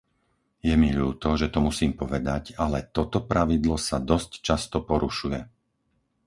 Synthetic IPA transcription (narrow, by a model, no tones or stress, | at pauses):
jɛmiʎuːt̪ɔʒɛt̪ɔmusiːmpɔʋɛd̪acalɛt̪ɔt̪ɔpɾʔaʋid̪lɔsad̪ɔsct͡ʃast̪ɔpɔɾuʃujɛ